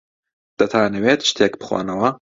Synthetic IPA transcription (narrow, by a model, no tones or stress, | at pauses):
d̪̥ɐt̪ʰaːneweːt̪ʃɨ̥t̪ʰeːkbɨ̥xwa̰ːnɐwɐ